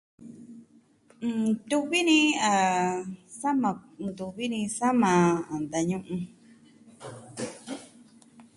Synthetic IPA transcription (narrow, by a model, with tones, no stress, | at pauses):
t̪u˧βi˦nĩ˧˦a˧˨ | sa˦mã˧˨nd̪u˧˨βi˦nĩ˧sa˦mã˨a˨nd̪a˧ɲũ˧ʔũ˧